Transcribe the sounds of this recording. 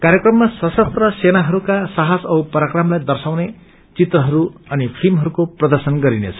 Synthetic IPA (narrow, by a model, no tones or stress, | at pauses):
kaɾjekrʌmːasʌsʌt̪rʌsenaɦʌɾukasaɦasʌupʌɾakramlajd̪ʌrsawne | t͡sit̪rʌɦʌɾuʌnipʰilmɦʌɾukoprʌd̪ʌrsʌnɡʌɾinḛt͡sʰʌ̥